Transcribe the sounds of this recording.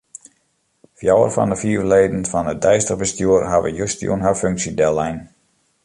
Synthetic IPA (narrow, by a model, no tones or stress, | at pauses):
fjawə̰rfɔ̰ndəfiːrleːdənfɔnədɛjstəbəstjuərhaʋə̰jøstjṵənɦawføŋksidɛlɛjn